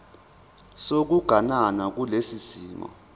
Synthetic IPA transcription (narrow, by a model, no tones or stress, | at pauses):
sok̬uɡ̥ʱananak̬ulesisiːmɔ̰